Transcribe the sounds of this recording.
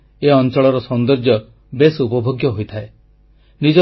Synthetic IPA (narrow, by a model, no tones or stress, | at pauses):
eɔnt͡ʃɔɭɔɾɔsɔnd̪ɔɾd͡ʒjɔ | besupɔbʱoɡjɔɦojt̪ʰae | nid͡ʒɔ